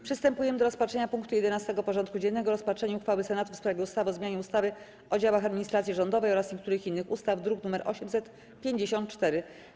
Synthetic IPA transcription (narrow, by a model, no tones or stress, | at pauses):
pʂɨst̪ɛmpujɛmɘd̪ɔɾɔspatʂɛɲapuŋkt̪ujɛd̪ɛnast̪ɛɡɔpɔʐɔnt̪kud͡ʑɛnːɛɡɔɾɔspatʂɛɲuxfawɘsɛnat̪ufspɾavʲɛust̪avɔzmʲjaɲɛust̪avɘ | ɔd͡ʑawaxad̪mʲiɲist̪ɾat̪sʲjiʐɔnd̪ɔvɛjɔɾasɲekt̪uɾɘxinːɘxust̪avd̪ɾuknumɛɾʔɔ̰ɕɛmsɛt̪ | pʲjeɲd͡ʑeɕɔ̃nt̪̚t͡ʂt̪ɛɾɘ